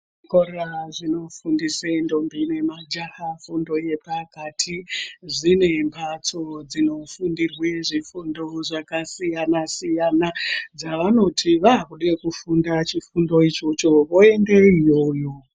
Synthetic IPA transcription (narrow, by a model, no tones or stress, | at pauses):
koraʐino̞fundisendo̞mbiine̞mad͡ʒahafundo̞je̞pakatʰiʐine̞mpʰat͡so̞d͡zino̞fundirweʐifundo̞ʐakasijanasijanad͡zaʋano̞tʰiʋaɦakuɗekufundat͡ʃifundo̞it͡ʃo̞t͡ʃo̞ʋo̞endeijo̞ːjo̞